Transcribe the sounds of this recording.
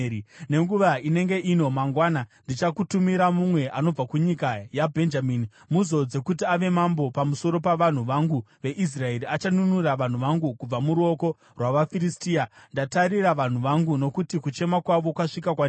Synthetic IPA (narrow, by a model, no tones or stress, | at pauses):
ine̞ŋɡuʋaine̞ŋɡe̞ʔino̞maŋɡwanandit͡ʃakutumiɾamumwe̞ʔano̞b͡vakuɲikajabʱe̞nd͡ʒamiːni | muzo̞d͡ze̞kut̬iaʋe̞mambo̞pamuso̞ɾo̞paʋan̤uʋaŋɡuʋe̞ʔis̬rae̞ɾiat͡ʃanunuraʋan̤uʋaŋɡukub͡vamuɾuo̞ko̞ | rwaʋafiɾistiandataɾiraʋan̤uʋaŋɡuno̞kutikut͡ʃe̞makwaʋo̞kwaʂikakwa